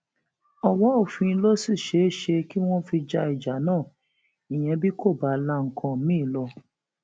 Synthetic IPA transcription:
ɔ˨wɔ̃˦o˦˨fĩ˧˦lo˦si˦˨ʃe˨˦ʃe˧ki˦w̃ɔ̃˦fi˧d͡ʒa˧i˨d͡ʒa˨˦nãː˦˨ | ĩ˨j̃ɛ̃˧bi˦kʰo˦˨ba˨˦la˧˦ŋ̩˨kʰã˧mĩː˦˨lɔ˧

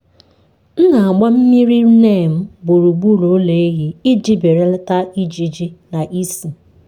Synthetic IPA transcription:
n̩˦na˨a˨ɡ͡ba˦m̩˦mi˦ɾi˦ɾne˦˨m̩˦bʊ˨ɾu˨ɡ͡bu˦˨lo˨˦le˨˦e˦ɦi˦i˦d͡ʒi˦be˨ɾe˦lta˦i˦d͡ʒi˨d͡ʒi˦na˨ʔi˦si˨

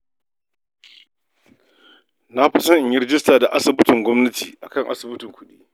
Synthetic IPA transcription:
na˦ɸɪ˦sɐ˦ʔɪ˨ɲjɪ˦ɾɪ˦d͡ʒɪ˦staː˨da˨ʔa˦sɪ˨bɪ˦tɪ˨ŋɡʷɔ˦mnɐ˦tḭː˨ʔa˨kɐ˦ŋʔa̰˦sɪ˨bʊ˦tɪ˨ŋkʷʊ˦ɗḭː˦

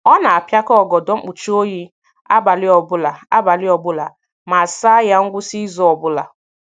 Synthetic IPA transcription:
ɔ˦na˨a˨pja˦kɔ˦ɔ˦˨ɡɔ˨dɔ˨˦ŋ͡m̩˦k͡pu˨t͡ʃu˦o˦ɦi˦ | a̰˦ba˨lɪ˦ɔ˨bʊ˦la˨a̰˦ba˨lɪ˦ɔ˨bʊ˦la̰˨ | ma˨sa˦ja˦ŋ̩˦ɡʷʊ˦si˦zɔ˦ɔ˨bʊ˦la̰˨

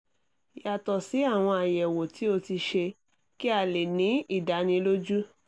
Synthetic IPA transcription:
ja˨tɔ˨si˨˦a˦˨w̃ɔ̃˧a˨jɛ˨wo˨ti˨˦o˧ti˧ʃe˧ | ki˦a˨le˨nĩ˨˦i˦˨da˨˧nĩ˧lo˦d͡ʒu˦

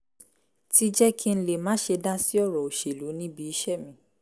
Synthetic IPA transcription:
ti˦d͡ʒɛ˦kʰi˦n̩˦le˨mãː˨˦ʃe˧da˦si˦ɔ˦˨ɾɔ˨o˨ʃe˨lu˨˦nĩ˦bi˧i˧ʃɛ˦˨mĩ˨˧˦

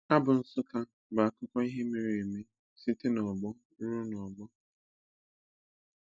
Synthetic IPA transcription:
a˦bʊ˨n̩˦sʊ˦ka˦ | ba˨a˨kʊ˦kʷɔ˦i˦ɦe˦me˨ɾe˨me˦ | si˦te˦nɔ˨ɡ͡bɔ˦ɾu˦nɔ˨ɡ͡bɔ˦

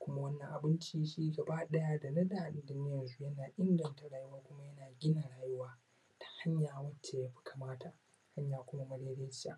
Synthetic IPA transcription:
kʷʊ˦ma˦wɐ˦nːɐ˨ŋʔa˨bɪ˦nt͡ʃiː˦ʃiː˦ɡɐ˨baː˦ɗɐ˦jaː˦da˨nɐ˦ɗaː˨ʔɪ˨ndʊ˦nɪ˦jɐ˨nzu˦jɐ˦naː˨ʔɪ˦ŋɡɐ˨nta˨ɽaː˦jʊ˦waː˦kʷʊ˦ma˦jɐ˦naː˨ɡʲɪ˦na˨ɽaː˨jʊ˦waː˦ | tʰḁ˨ha˦ɲjaː˨wɐ˦t͡ʃːeː˨jaː˦ɸɪ̥˦kʰa˨maː˦tʰa˨ | ha˦ɲjaː˨kʷʊ˦ma˦mɐ˦ɽeː˦ɽeː˦t͡ʃɪ˦ja̰ː˦ʔ

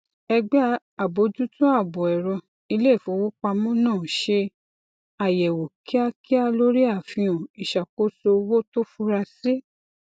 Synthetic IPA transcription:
ɛ˧ɡ͡ba˦ | a˨bo˧˦d͡ʒu˦tũ˦a˦˨bɔ˨ɛ˨ɾɔ˧ | i˧le˦˨fõ˨˦wo˦k͡pa˧mɔ̃˦nãː˦˨ʃe˧ | a˨jɛ˨wo˨ki˦a˦ki˦a˧lo˦ɾi˦a˦˨fĩ˧õ˨i˨ʃa˨ko˦so˧wo˦to˦fu˦ɾa˧se˦

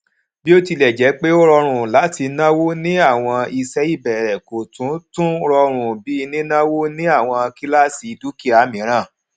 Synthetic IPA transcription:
bi˦o˦ti˧lɛ˨d͡ʒɛ˨˦k͡pe˦o˦ɾɔ˧ɾ̃ũ˧˨la˨˦ti˧nã˦wo˦nĩ˦a˦˨w̃ɔ̃˧i˧sɛ˦i˦˨bɛ˨ɾɛ˨ko˨tũ˨˦tũ˦ɾɔ˧ɾ̃ũ˨bi˨˦i˧nĩ˦nã˦wo˦nĩ˦a˦˨w̃ɔ̃˧a˧ki˦la˦˨si˨˧du˦ki˦a˨˦mĩ˨˦ɾ̃ã˦˨

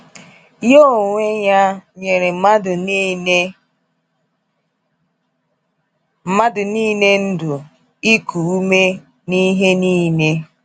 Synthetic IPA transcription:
jo˦˨ŋʷe˦ɲa˦ɲe˨ɾe˨˦ma˦dʊ˨n˦ | m̩˦ma˦dʊ˨niː˦ne˦n̩˦dʊ˨ | i˦kʰu˨u˦me˦ | ni˦ɦe˦niː˦ne˦

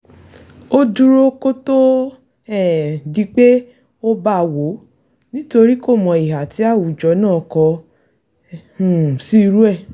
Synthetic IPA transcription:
o˦du˦ɾo˦ko˦to˦ | ɛ˦˨di˧k͡pe˦ | o˦ba˦˨wo˨˦ | nĩ˦to˧ɾi˦ko˦˨mɔ̃˨i˨ɦa˨ti˨˦a˦˨wu˨d͡ʒɔ˨˦nãː˦˨kɔ˧ | ũ˨si˦˧ɾu˦ɛ˦˨

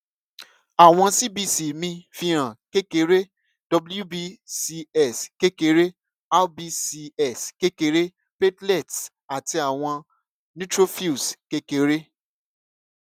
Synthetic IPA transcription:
a˨w̃ɔ̃˧si˦bi˦˨si˨mĩ˧fi˧ɾ̃ã˨ke˦ke˧˦ɾe˦ | d̥ɔ˧blju˦bi˦si˧ɛ˦˨ske˦ke˧ɾe˦ | a˦bi˦si˧ɛ˦˨ske˦ke˧˦ɾe˦ | pe˦tlɛ˦˨t | a˨ti˧a˨w̃ɔ̃˧ | nĩ˦tɾo˦fi˦˨ske˦ke˧ɾe˦

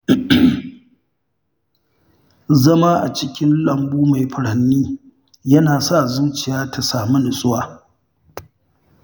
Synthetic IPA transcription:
zɐ˦maː˦ʔa˨t͡ʃɪ˦kʲɪ˦nlɐ˨mbuː˦ma˨jɸɐ˨ɽɐ˨nːiː˦ | jɐ˦naː˨sa˦˨zuː˦t͡ʃɪ˨jaː˦tʰa˨saː˨mu˦nʊ˨sʼʊ˦waː˨

